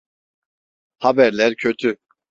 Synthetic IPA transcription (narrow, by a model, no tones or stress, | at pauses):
habæɾlʲæɾcʰøt̪ʰy